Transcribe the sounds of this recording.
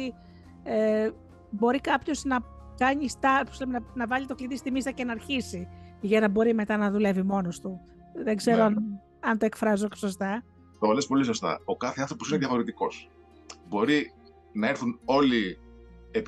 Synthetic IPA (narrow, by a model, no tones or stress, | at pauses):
i | e | bo̞ɾikɐpço̞znɐkɐɲist̪ɐposlemenɐnɐvɐʎit̪o̞klit̪ist̪imist̪ɐce̞nɐɾçisiʝɐnɐbo̞ɾime̞t̪ɐnɐðule̞vimo̞nost̪u | ðe̞ɡze̞ɾoɐn | ɐnt̪o̞ekfɾɐzokɐ̥so̞st̪ɐ | t̪ovɐlespo̞lisost̪ɐ̰o̞kɐθeɐnθɾo̞poineðjɐfo̞ɾit̪iko̞s | bo̞ɾi | nɐe̞ɾθuno̞li | ep